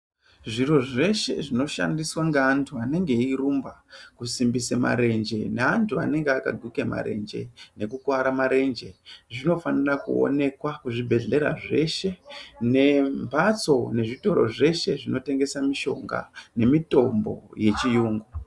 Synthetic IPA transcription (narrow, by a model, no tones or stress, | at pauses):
ʐiɾo̞ʐe̞ʃe̞̰ʐino̞ʃa̰ndiswaŋɡeantʰuane̞ŋɡe̞irumbakusimbisema̰ɾe̞nd͡ʒe̞neantʰua̰ne̞ŋɡeaka̰ɡʱwikema̰ɾe̞̰nd͡ʒe̞̰ne̞kukwaɾamaɾe̞nd͡ʒe̞ʐino̞fanirakṵo̰ne̞kwakuʐibʱe̞ɮe̞ɾaʐe̞ʃe̞ne̞mpat͡so̞ne̞ʐito̞ɾo̞̰ʐe̞ʃe̞ʐino̞te̞ŋɡe̞samiʃo̞̰ŋɡa̰ne̞mito̞mbo̞̰je̞t͡ʃijuːŋɡu